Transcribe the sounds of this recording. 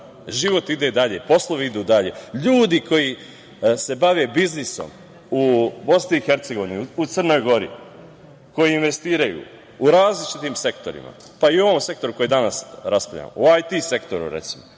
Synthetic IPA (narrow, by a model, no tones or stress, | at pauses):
ʒiʋo̞t̪id̪e̞d̪aʎe̞po̞slˠo̞ʋiid̪uːd̪aʎe̞̰ʎuːd̪iko̞ji | se̞baʋe̞bizniso̞̰m | ubo̞sniixe̞ɾt̪se̞ɡo̞ʋiniut̪sr̩no̞jɡo̞ɾḭ | ko̞jiinʋe̞st̪iːɾajṵ | uɾaːzlit͡ʃit̪iːmse̞kt̪o̞̰ɾḭma̰ | paio̞ʋomse̞k̚t̪o̞ɾuko̞jed̪anasɾaspaʎa̰ːm̰uajt̪ise̞kt̪o̞ɾṵɾḛt̪simo